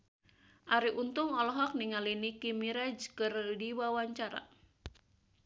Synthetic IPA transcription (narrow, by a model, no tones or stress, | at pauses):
ʔaɾiʔunt̪ʊŋɔlɔɦɔk̚niŋalinikimiɾad͡ʒkɨrdiwawaɲt͡ʃaɾa̰